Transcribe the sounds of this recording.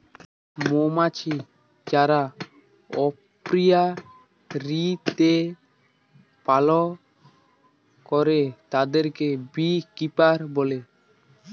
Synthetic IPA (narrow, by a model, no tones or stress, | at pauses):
momat͡ʃʰi | d͡ʒaɾa | ɔppɾija | ɾit̪e | palɔ | kɔɾet̪ad̪eɾkebikipaɾbole